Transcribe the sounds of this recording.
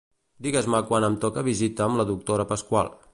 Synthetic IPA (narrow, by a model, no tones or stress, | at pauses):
d̪iɣəzməkwanəmt̪ɔkəβ̞izit̪əːmləðuk̚t̪oɾəpəskwa̰lˠ